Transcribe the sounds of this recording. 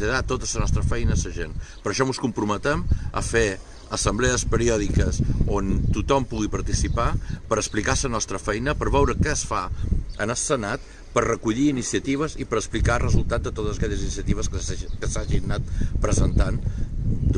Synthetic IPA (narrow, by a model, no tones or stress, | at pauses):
əðat̪ot̪əsənɔst̪ɾəfɛjnəːsəʒenpəɾəʃɔmuskumpɾumət̪ɛmə̰fe | əsəmbleəspəɾiɔðikəsont̪ut̪ɔmpuɣ̞ipəɾt̪isipapəɾəsplikasənɔst̪ɾəfɛjnəpəɾβɛwɾəkɛsfaə̰nəssənat̪ | pəɾrəkuʎiːnisiət̪iβ̞əzipəɾəsplikarəzulˠt̪at̪̚d̪ət̪ot̪əzəkɛʎəzinisiət̪iβ̞əskəsaʒinːat̪̚pɾəzənt̪an